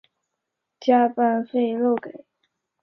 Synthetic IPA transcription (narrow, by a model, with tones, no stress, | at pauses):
t͡ɕja˥pa˥˧nfe˥˧ɪɻo˥˩ʊke˨˩˦ɪ